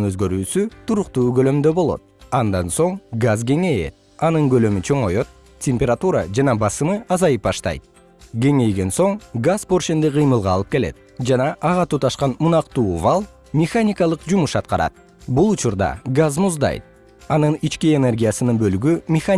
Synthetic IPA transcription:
nøzɡø̞ɾyːsyt̪ʰuɾuqt̪uːɡø̞lø̞md̪ø̞bo̞lˠo̞̰t̪̚ɑnd̪ɑnso̞ŋɡazɡe̞ŋe̞jḛt̪ | ɑnɯŋɡø̞lø̞myt͡ʃʰø̞ŋo̞jo̞t̪̚ | tʲʰemʲpʲeɾat̪uɾɑd͡ʒɑnɑbɑsɯmɯʔɑzɑjɯp̚bɑʃt̪ɑ̰jt̪̚ | ɡʲe̞ŋe̞jɡe̞nso̞ŋɡaspo̞rʃend̪eqɨjmɯlˠʁɑːlˠɯpke̞le̞̰t̪̚ | d͡ʒɑnɑʔːʁɑt̪ut̪ɑʃqɑnmunɑqt̪uːvalˠ | mʲɪxanʲɪkalˠɯqd͡ʒumuʃɑt̪̚qɑɾɑ̰t̪̚ | bulˠut͡ʃuɾd̪ɑ̰ɡazmuzd̪ɑ̰jt̪̚ | ɑnɯnit͡ʃkie̞ne̞rɡʲijasɯnɯnbø̞lyɡymʲɪxa

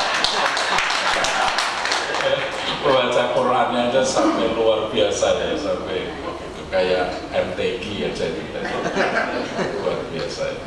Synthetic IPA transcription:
uwat͡ʃapəɾanad͡ʒasampɛluarb̥iasajajasampɛ | kajaʔ | ɛnt̪eɡiḁd͡ʒaditad͡ʒaaluarb̥iasa̰ja̰

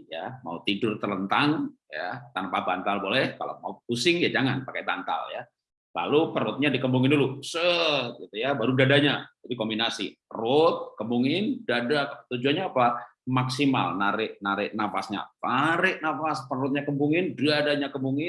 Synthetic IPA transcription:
ja̰ma̰ut̪idʊrt̪ələnt̪aŋja̰t̪anapabant̪albolɛhkala̰maupusɪŋjad͡ʒaŋanpakajbant̪a̰lja̰ | la̰lupərʊt̪̚ɲadikəmbuŋɪndulusəɡit̪ujabaɾudadaɲad͡ʒatikombinasḭrʊt̪̚kəmuŋɪndadat̪ud͡ʒuanɲaːpamaksima̰lnaɾɪʔnaɾɪʔnafasɲa̰faɾɪʔnafaspərʊt̪̚ɲakəmbuŋɪndiadaɲakəmuŋɪn

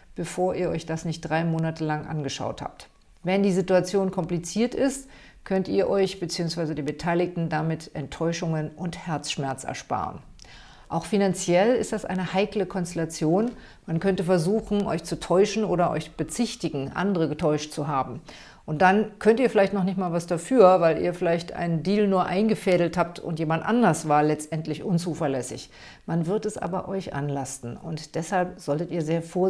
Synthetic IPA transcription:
b̥əfoːɐʔiːɐʔɔʏçd̥asnɪçt̚d̥ʁaɪmoːnatəlaŋʔa̰nɡəʃa̰ʊtha̰ːp̚t | vɛndiːzituat͡sjoːnkʰɔmplit͡siːɐtɪst | kʰœntiːɐʔɔʏçb̥ət͡siːʊŋsv̥aɪzədeːbətʰaɪlɪk̚tn̩damɪtʔɛntʰːɔʏʃʊŋənʊnthɛɐt͡sʃmɛɐt͡sɛ̰ɐʃpa̰ːʁə̰n | ʔaʊxfinant͡sjɛlɪstd̥asʔa̰ɪnəhaɪkləkʰɔnstɛlat͡sjoːn | mankʰœntəfɛɐzuːxn̩ʔɔ̰ʏçt͡sutʰɔʏʃn̩ʔoːɾɐʔɔ̰ʏçb̥ət͡sɪçtɪɡŋ̩ʔa̰ndəʁ̞əɡətʰɔʏʃt̚t͡suɦaːbm̩ | ʔʊntd̥ankʰœntiːɐfɪlaɪçtnɔχnɪçtmaːlvasd̥afyːɐvaɪlʔḭːɐfɪlaɪçtʔa̰ɪnəndiːlnuːɐʔaɪnɡəfɛːdl̩thaːp̚tʰʊ̰ntjeːmandtʔandɐsv̥aːɐlɛt͡stʔɛntlɪçʔʊnt͡suːfɛɐlɛsɪ̰ç | manvɪɐtɛsʔa̰ːbɐʔɔʏçʔa̰nlastn̩ʊntd̥ɛshalpz̥ɔltətiːɐzeːɐfoːɐ

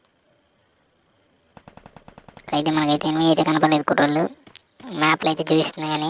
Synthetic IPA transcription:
ɐjt̪eːmɐnɐkɐjt̪enimiɐjt̪eːkɐnipɐleːd̪ukuʈolːu | maːplɐjt̪e̞ːt͡ʃuːʋist̪und̪ɐɡaːni

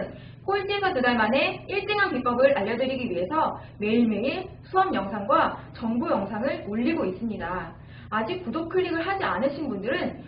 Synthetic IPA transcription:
n | koint͡ɕ͈isʰatudaɭmane̞iɭt͈eŋɦankip͈ʌbɯɾaʎːʌdɯɾiɡiɥiɦe̞sʰʌ | me̞iɭmeŋesʰuʌmjʌŋsʰaŋɡwat͡ɕʌŋbujʌŋsʰaŋɯɭmoʎːiɡois͈ɯmɲidaː | d͡ʑik̚pudokʰɯɭːiɡɯɭɦad͡ʑianɯɕʰinbundɯɾɯn

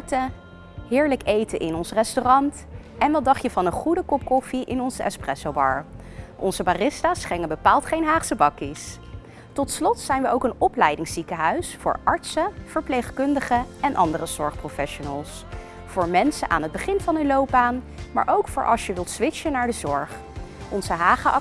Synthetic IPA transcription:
tə | ɦɪːɹləkejtəʔɪnɔnsrɛstorɑnt | ʔɛnʋɛdɑχjəvɑnəχudəkɔp̚kɔfiʔɪnɔnzəɛ̰sprɛsowbɑ̰ɹ | ʔɔ̰nzəbarɪstaːsχɛŋənbəpaːlˠtχejnɦaːχsəbɑkis | tɔtslɔtsɛjnʋəʔowkənɔplɛjdɪŋsikəɦœɥsfʊ̰ːɹʔɑɹtsəfəɹplejχkɵndəχəɛnʔɑ̰ndərəz̥ɔɹχprofɛʃonəlˠs | fʊːɹmɛnsənʔa̰ːnəd̚bəχɪnvɑnəlowb̚baːn | ma̰ːɹʔowkfʊːɹʔɑ̰ʃjəʋɪlˠtsʋɪʃənaːɹdəzɔɹχ | ʔɔnzəɦaːχə

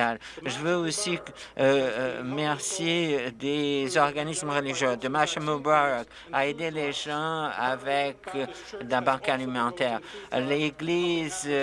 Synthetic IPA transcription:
alʒəvøosi | mɛʁsjed̪ezɔʁɡanismʁəliʒjød̪əmaʃamobaʁk | aed̪eleʒɑ̃avɛk | d̪ɛ̃bɑ̃kalimɑ̃t̪ɛʁleɡliz

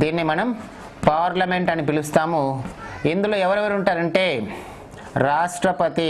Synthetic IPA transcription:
d̪iːnːimɐnɐm | paːɾlɐmeɳʈɐnipilust̪aːmuind̪ulo̞ːɛʋɐɾɛʋɐɾuɳʈaːɾɐɳʈeː | ɾaːʂʈɾɐpɐt̪i

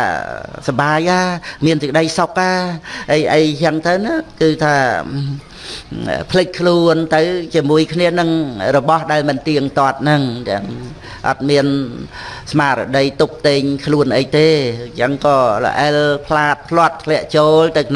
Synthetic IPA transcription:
sɑɓaːjʔaːmiənsik̚əɗəjsok̚ʔaːʔəjʔəjt͡ɕəŋt̪ɨwnɨkɨːt̪ʰaː | pʰlɨc̚kʰluənt̪ɨwt͡ɕiəmuəjkʰniənɨŋrɔɓɑhɗaɛlmɨnt̪iəŋt̪ŏət̪̚nɨŋt̪əəŋ | ʔɑ̰t̪̚miən | smaːɾə̰ɗəjt̪up̚t̪eːɲkʰluənʔəjt̪eːt͡ɕəŋkɑːlə̰ʔəlpʰlaːt̪̚pʰlŏət̪̚t̪ʰlɛ̆əʔt͡ɕoːlt̪ɨwn

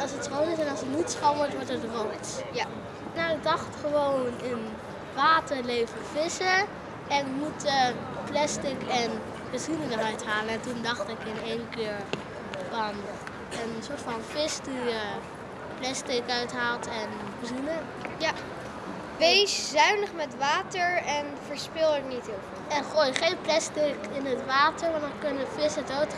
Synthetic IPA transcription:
ɑlˠsətsrownɪsɛnɑlˠsətnitsχɔʋɔɹtʋɔɹtətrows | nawɪk̚dɑχtχəʋownɪn | ʋaːtəɹlejvəfɪsə | ɛnmutə | plɛstɪkɛn | b̥əzinəndərœɥtɦaːləɛntundɑχtɪkɪnejnkɪːɹ | fɑn | ənsoːɹtfɑnfɪsdiə | plɛstɪkœɥtɦaːlˠtɛn | bəzinə | ja | ʋejszœɥnəχmɛtʋaːtəɹɛnvəɹspɪlˠətnitɦɪv | ɛnχoːjχejnplɛstɪkɪnətʋaːtəɹʋɑndɑnkɵnəfɪsətowt

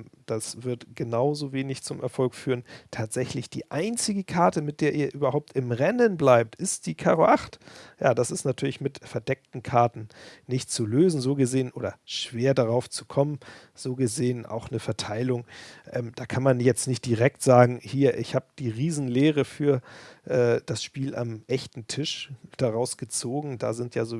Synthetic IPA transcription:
d̥asv̥ɪɐtɡ̥ənaʊzoːveːnɪçt͡sʊmʔɛɐfɔlkfyːʁəntʰaːtz̥ɛçlɪçd̥ḭːʔaɪnt͡sɪɡəkʰaɐtəmɪt̚d̥eːɐʔiːɐʔyːbɐhaʊp̚tɪmʁɛnənblaɪp̚tʔɪstd̥iːkʰaːʁoʔaχtjaːdasɪstnatʰyːɐlɪçmɪtfɛɐdɛk̚tn̩kʰaɐtn̩nɪçtt͡suløːzn̩zoːɡəzeːənʔoːdɐʃv̥eːɐdaʁaʊft͡su̥kʰɔmən | z̥oːɡəzeːənʔa̰ʊxnəfɛɐtʰaɪlʊŋʔɛːmd̥aːkʰanmanjɛt͡stnɪçt̚d̥iʁɛk̚tz̥aːɡŋ̩hiːɐʔɪçhaːbəd̥iːʁiːzn̩leːʁəfyːɐʔɛːd̥asʃpiːlʔa̰mʔɛçtn̩tʰɪʃd̥aʁaʊsɡ̥ət͡soːɡŋ̩da̰ːzɪntjaːzoː

